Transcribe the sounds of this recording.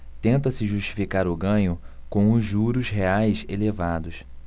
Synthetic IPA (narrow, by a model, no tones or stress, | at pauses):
t̪ẽnt̪ɐsɪʒuʃt͡ʃi̥fikaɾʊɡɐ̃ɲʊ | kõw̃ʊzːuɾʊzɦeajselevad̪ʊs